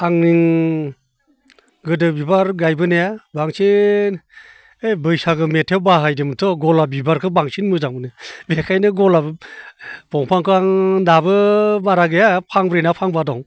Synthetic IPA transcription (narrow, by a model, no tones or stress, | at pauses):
aŋniŋ | ɡɯdɯbibaɾɡajbɯnejabaŋsi | ejbɯjsaɡɯmetʰewbaɦajdemɯtʰɔɡɔlabibaɾkʰɯbaŋsinmɯzaŋbɯnɯbekʰajnɯɡɔla | bɔŋpʰaŋkʰɯaŋdabɯbaɾaɡejapʰaŋbɾinapʰaŋbadɔŋ